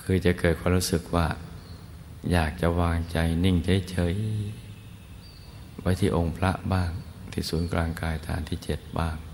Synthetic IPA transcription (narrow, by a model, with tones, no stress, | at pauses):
kʰɯː˧t͡ɕa˨˩ʔkɤː˨˩t̪̚ʰaː˧mɾuː˦˥sɯ˨˩k̚waː˥˩ | jaː˨˩k̚t͡ɕa˨˩waː˧ŋt͡ɕa˧jni˥˩ŋt͡ɕʰa˦˥˩jt͡ɕʰɤː˩˦j | wa˦˥˩jt̪ʰiː˥˩ʔo˧ŋpʰla˦˥ʔbaː˥˩ŋt̪ʰiː˥˩suː˩˦nklaː˧ŋkaː˧jt̪ʰa̰ː˩˦nt̪ʰiː˥˩t͡ɕe˨˩t̪̚baː˥˩ŋ